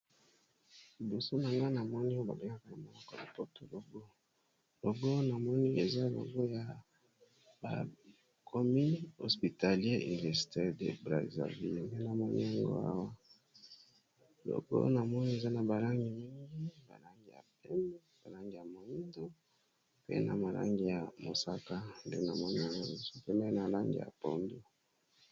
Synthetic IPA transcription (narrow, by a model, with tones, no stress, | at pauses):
li˨bo˨so˦na˨ŋɡa˦na˨mɔ˦ni˦ba̰˨be˨ŋa˦ka˨na˨mo˨lɔ˦kɔ˨la˨po˦to˨lo˨ɡo˦ | lo˨ɡo˦na˨mɔ˦ni˦e˨za˦lo̰˨ɡo˦ja˨ | ba̰˨ | kʰo˨mi˦no˨spi˨ta˨ljɛ˦ḭ˨ni˨vɛ˨si̥˨tɛ˦dḛ˨bʁa̰˨za̰˨vḭ˦lmbe˦na˨mɔ˦nḭ˦a˦ŋɡo̰˦a̰˦wa˦ | lo̰˨ɡo̰˦na˨mɔ˦ni˦e˨za˦na˨ba˨la˦ŋɡi˨mi˦ŋɡi˦ba̰˨la˦ŋɡi˨ja̰˨pe˦ndo˦ba˨la˦ŋɡi˨ja˨mo˨i˦ndo˦ | pḛ˦na̰˨ma˨la̰˦ŋɡi˨ja˨mo˨sa˦ka˦nde˦na˨mɔ˦ni˦a˦˨ŋɡo˦˨˦so̥˦pe˦mɛ˦na˨la˦ŋɡḭ˨ja̰˨po˨ndo˦